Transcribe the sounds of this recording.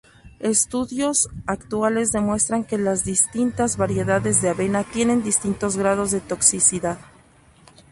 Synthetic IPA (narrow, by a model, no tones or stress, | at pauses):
e̞st̪uðjo̞sakt̪wale̞zðe̞mwe̞st̪ɾaŋke̞lazðist̪int̪azβaɾje̞ðaðe̞zðeaβe̞nat̪je̞ne̞nd̪ist̪int̪o̞zɣɾaðo̞zðe̞t̪o̞ksisiðað